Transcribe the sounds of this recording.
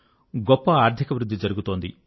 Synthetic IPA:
ɡɔpːɐaːɾt̪ʰikɐʋɾud̪ʱːid͡ʒɐɾuɡut̪oːnd̪i

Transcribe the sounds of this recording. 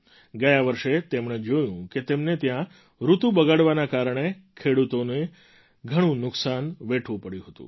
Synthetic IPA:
ɡəjaʋəɾʃet̪emɳ̃ed͡ʒojũket̪emnet̪jã | ɾut̪ũbəɡaɽʋanakaɾəɳekʰeɽut̪one | ɡʱəɽ̃ũnʊksanʋeʈʰʋũpəɽjũɦət̪ṵ̃

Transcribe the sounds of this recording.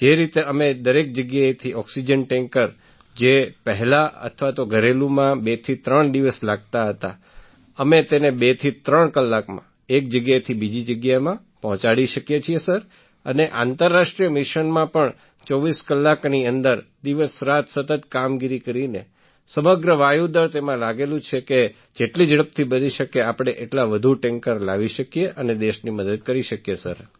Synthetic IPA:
d͡ʒeɾit̪eəmed̪əɾek̚d͡ʒəɡjajet̪ʰiɔksid͡ʒənʈɛ̃ŋkəɾ | d͡ʒepəɦɛlaə̰t̪ʰʋat̪oɡʱəɾelũmãbet̪ʰit̪ɾəɳd̪iʋəslaɡ̚t̪aɦət̪a̰ | əmet̪enebet̪ʰit̪ɾəɳkəlːakmã̰ | ek̚d͡ʒəɡjajt̪ʰibid͡ʒid͡ʒəɡjamã | pɔɦɔ̃t͡ʃaɽiʃəkjet͡ʃʰiesəɾ | əneʔa̰nt̪əɾːaʃʈɾijəmiʃənmãpəɳ | t͡ʃɔʋiskəlːakniənd̪əɾd̪iʋəsɾat̪sət̪ət̪kamɡiɾikəɾine | səməɡɾəʋajud̪əɾt̪emãlaɡelũt͡ʃʰeke | d͡ʒeʈlid͡ʒəɽəp̚t̪ʰibəniʃəkeapɽ̃eʔeʈlaʋəd̪ʱuʈɛŋkəɾlaʋiʃəkijeʔəned̪eʃniməd̪əd̪̚kəɾiʃəkjesə̰ɾ

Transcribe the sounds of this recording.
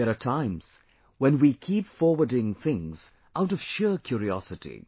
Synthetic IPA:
əɹətʰãɪ̃mz̥ | wɛ̃nwikʰipfɔɹwə˞dɪ̃ŋθɪ̃ŋz̥ | ʔaʊɾʌv̥ʃɪɹkʰj̥ʊɹiɔ̰sɨɾḭ

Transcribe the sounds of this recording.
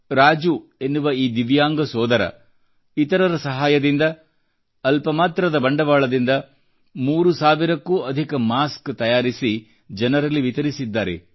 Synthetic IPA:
ɾaːd͡ʒue̞nːuʋɐiːd̪iʋjaːŋɡɐsɔːd̪ɐɾɐ̰ | it̪ɐɾɐɾɐsɐɦaːjɐd̪ind̪ɐ | ɐlpɐmaːt̪ɾɐd̪ɐbɐɳɖɐʋaːɭɐd̪ind̪ɐ | muːɾusaːʋiɾɐkːuːɐd̪ʱikɐmaːskt̪ɐjaːɾisi | d͡ʒɐnɐɾɐlːiʋit̪ɐɾisid̪ːaːɾḛ

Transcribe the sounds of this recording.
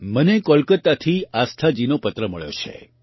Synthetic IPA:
mənekɔlkət̪ːat̪ʰiast̪ʰad͡ʒinopət̪ɾəməɭjo̰t͡ʃʰḛ

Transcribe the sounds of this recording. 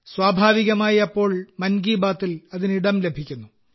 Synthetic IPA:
swaːbʱaːʋiɣɐmaːjiɐpːo̞ːɭmɐnɡiːbaːt̪ːilɐðiniɽɐmle̞bʱikʲːunːu

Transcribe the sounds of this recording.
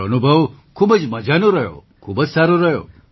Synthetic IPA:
ənubʱəʋkʰuːbəd͡ʒməd͡ʒanoɾəɦjo̰kʰubəd͡ʒsaɾoɾəɦjo̰

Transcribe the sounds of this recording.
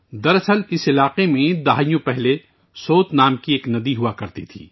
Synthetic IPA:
d̪ɐɾɐsəlɪsɪlaːqemẽd̪aɦːjõpɛɦle | soːt̪naːmkieːknɐd̪iɦʊakɐɾt̪ḭt̪ʰḭː

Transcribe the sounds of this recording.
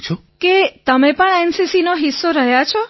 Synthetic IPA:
t͡ʃʰoket̪əmẽpəɳɛnsisinoɦisːoɾəɦjat͡ʃʰo

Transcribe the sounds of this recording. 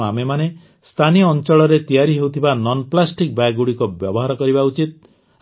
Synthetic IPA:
amemane | st̪ʰaniɔnt͡ʃɔɭɔɾet̪ijaɾiɦewt̪ʰibanɔnplasʈik̚bajɡuɽikɔbjɔbɔɦaɾɔkɔɾibaut͡ʃit̪̚

